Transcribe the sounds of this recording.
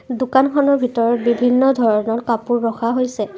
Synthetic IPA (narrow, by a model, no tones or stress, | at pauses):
dʊkankʰɔnɔɹbʱitɔɹɔt̚bibʱinːɔdʱɔɹɔnɔtkapuɹːɔxaɦojsɛ